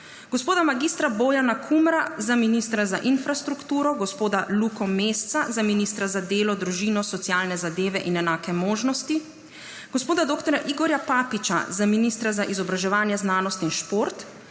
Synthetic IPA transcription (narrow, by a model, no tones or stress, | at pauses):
ɡɔspoːd̪amaɡist̪ɾaboːjanakʰumɾazaminist̪ɾazaʔinfɾast̪ɾukt̪uːɾɔɡɔspoːd̪alukɔmeːst̪sazaminist̪ɾazad̪eːlɔd̪ɾuʒiːnɔsɔt̪sjaːlnɛzad̪eːʋɛʔinɛnaːkɛmoːʒnɔst̪i | ɡ̥ɔspoːd̪ad̪oːkt̪ɔɾjaʔiɡɔɾjapaːpit͡ʃa̰zaminist̪ɾazaʔizɔbɾaʒɛʋaːnjɛznaːnɔst̪inʃpoːɾt̪